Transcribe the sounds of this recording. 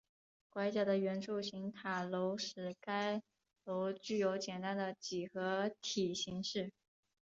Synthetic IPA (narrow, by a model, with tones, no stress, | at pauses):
kwa˧˥ɪt͡ɕja˧˥˩d̪ə˨ɥɛ˧˥nʈ͡ʂʰu˥˩ɕi˧˥ŋt̪ʰa˨˩lo˧˥ʊʂɻ̩˧˥˩ka˥ɪ | lo˧˥ʊt͡ɕy˥˩jo˧˥ʊt͡ɕjɛ˨˩nt̪a˥nd̪ə˨t͡ɕi˨˩xɤ˧˥t̪ʰi˨˩ɕi˧˥ŋʂɻ̩˥˩